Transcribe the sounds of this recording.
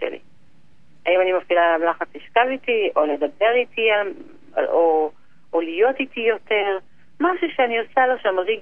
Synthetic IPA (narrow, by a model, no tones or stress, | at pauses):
ḛlḭ | aimanimafilamlaχat͡siʃkavit̪iʔo̞le̞d̪abe̞ʁit̪ial | a̰o | olijo̞titijo̞t̪e̞ʁ | maʃuʃeaniosaloʃamʁiɡ